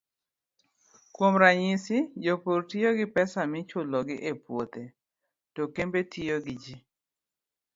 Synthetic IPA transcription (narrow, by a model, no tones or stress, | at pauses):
kwomɾaɲisɪd͡ʒopoɾtioɡɪpɛsamɪt͡ʃʊlɔɡɪʔepwot̪e | tɔkembetioɡɪd͡ʒi